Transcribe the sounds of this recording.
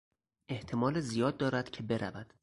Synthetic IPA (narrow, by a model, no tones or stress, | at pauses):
ʔe̞ht̪ʰe̞mɒːlezijɒːd̪̚ːɒːɾæd̪̥cʰe̞be̞ɾævæd̪̥